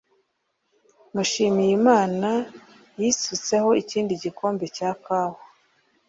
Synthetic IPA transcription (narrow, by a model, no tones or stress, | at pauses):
nuʃiːmijimaːna | jisut͡se̞ho̞iciːndiɟikʰo̞ːmbe̞caːkawo